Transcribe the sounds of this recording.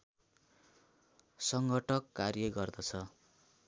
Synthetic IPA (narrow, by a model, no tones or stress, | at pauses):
sʌŋɡʱʌʈʰʌkːarjʌɡʌrd̪ʌt͡sʰʌ